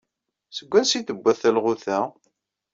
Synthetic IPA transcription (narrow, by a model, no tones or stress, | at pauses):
səɡʷːænsiθəbʷːæθælʁʊθæ